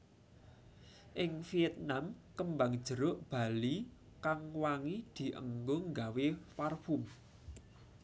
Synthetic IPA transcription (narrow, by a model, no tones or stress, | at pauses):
ʔɪŋfijɛt̪̚namkəmbaŋd̥ʒ̥ə̤ɾʊʔb̥a̤li | kaŋwaŋid̪̥i̤ʔə̰ŋɡoŋɡawefarfum